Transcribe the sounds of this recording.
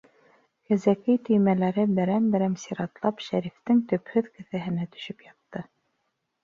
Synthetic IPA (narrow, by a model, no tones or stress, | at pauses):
kæzækɘjt̪ɵ̆jmælæɾɘbɘ̆ɾæmbɘ̆ɾæmsiɾɑt̪lˠɑpʃæɾift̪ɘŋt̪ɵ̆phɵðkɘ̆θæɦɘ̆næt̪ɵ̥̆ʃɵpjɑt̪ːɤ